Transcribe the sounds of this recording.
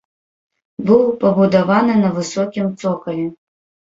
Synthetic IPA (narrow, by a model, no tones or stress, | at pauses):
bɨwpɐbud̪avanɨnɐvɨsɔkʲimt̪sɔkɐlʲi